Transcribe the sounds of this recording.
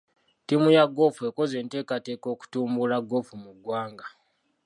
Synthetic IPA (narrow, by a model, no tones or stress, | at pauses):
timujaɡo̞fue̞ko̞ze̞ːnte̞ːkate̞ko̞ːku̥tuːmbulaɡo̞fumuɡwaːŋɡa